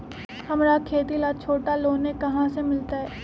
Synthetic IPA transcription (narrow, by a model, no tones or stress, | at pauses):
hɐmɾakʰeːt̪ilaːt͡ʃʰoːʈaloːnekɐɦãsemɪlt̪aɦɛː